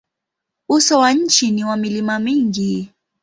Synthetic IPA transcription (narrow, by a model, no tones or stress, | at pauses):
usɔwaɲ̩t͡ʃiniwamilimamiŋɡi